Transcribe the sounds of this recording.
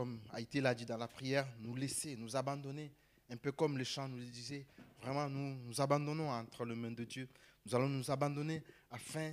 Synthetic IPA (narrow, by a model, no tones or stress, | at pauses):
kɔma̰et̪elad̪id̪ɑ̃lapχijɛʁnulesenuzabɑ̃d̪ɔne | ɛ̃pøkɔmleʃɑ̃nuld̪izɛvʁɛmɑ̃nunuzabɑ̃d̪ɔnɔ̃ɑ̃t̪χələmɛ̃d̪əd̪jønuzalɔ̃nuzabɑ̃d̪ɔne | afɛ̃